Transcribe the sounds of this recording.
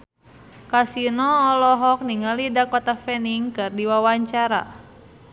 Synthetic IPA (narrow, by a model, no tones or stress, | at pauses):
kasinɔːlɔɦɔk̚niŋalidakɔt̪afɛniŋkɨrdiwawaɲt͡ʃaɾa̰